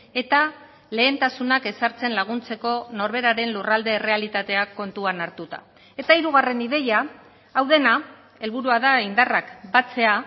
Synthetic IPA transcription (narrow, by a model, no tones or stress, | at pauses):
e̞t̪a | le̞ːnt̪asunake̞saɾt͡se̞nlaɣ̞unt͡se̞ko̞no̞ɾβe̞ɾaɾe̞nlurald̪e̞ːre̞alit̪at̪e̞akːo̞nt̪uanaɾt̪ut̪a̰ | e̞t̪aiɾuɣ̞are̞niðe̞jaː | wðe̞na | e̞lβuɾuaðaind̪arakbat͡se̞a